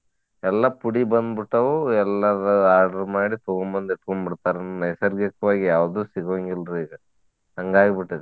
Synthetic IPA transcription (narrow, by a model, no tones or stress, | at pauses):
ɛlːɐpuɽibɐnd̪biʈːɐʋuɛlːɐɾɐaːɾɖɐɾmaːɽit̪oɡoɳbɐnd̪iʈkoɳbiɽt̪aːɾɐnd̪unɐjsɐɾɡɐkːɐʋaːɡijaːʋd̪uːsiɡʋɐŋɡilɾuiːɡɐ | ɦɐŋɡaːɡibiʈːid̪e